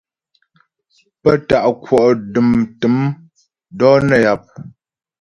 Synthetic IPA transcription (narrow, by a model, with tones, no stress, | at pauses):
pə˦˨ta˨ʔkwɔ˨ʔdɨ˨mtɨ˨˦m | dɔ˦nə˦˨ja˨p̚